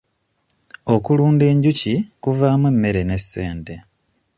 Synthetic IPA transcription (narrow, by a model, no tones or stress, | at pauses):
o̞kuluːnde̞ːɲɟucikuvaːmwemːe̞ɾe̞ne̞sːeːnte̞